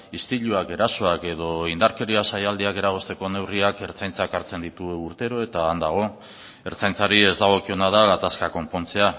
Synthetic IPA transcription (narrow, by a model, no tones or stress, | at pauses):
ist̪iʎuake̞ɾaso̞ake̞ð̞o̞ind̪aɾke̞ɾiasajald̪iake̞ɾaɣ̞o̞st̪e̞ko̞ne̞wriake̞ɾt͡sajnt͡sakaɾt͡se̞nd̪it̪uuɾt̪e̞ɾo̞e̞t̪aːnd̪aɣ̞o̞ | e̞ɾt͡sajnt͡saɾie̞zd̪aɣ̞o̞kio̞nað̞aɣat̪askako̞mpo̞nt͡se̞a